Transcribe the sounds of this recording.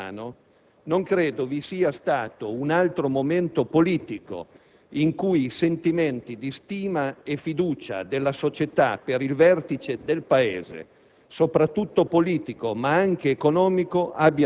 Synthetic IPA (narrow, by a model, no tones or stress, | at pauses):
no | noŋkɾeːd̪ovisiːast̪aːt̪ounalt̪ɾomoment̪opoliːt̪iko̰ | iŋkujisent̪iment̪id̪ist̪iːmaefid̪uːt͡ʃa̰d̪elːasot͡ʃet̪a̰peɾilvɛrt̪it͡ʃed̪elpaḛːzḛ | sopɾat̪ːut̪ːopoliːt̪ikomaaŋk̟eːkonɔːmikoʔabːja